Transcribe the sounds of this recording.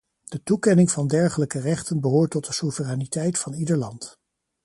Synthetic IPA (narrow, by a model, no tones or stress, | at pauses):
d̥ətukɛnɪŋvɑndɛɹχələkərɛχtənbəɦoːɹtːɔt̚dəsuvəraːnitɛjtfɑnidəɹlɑnt